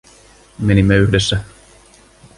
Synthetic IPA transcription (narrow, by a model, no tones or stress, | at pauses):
menimːeyçdesːæ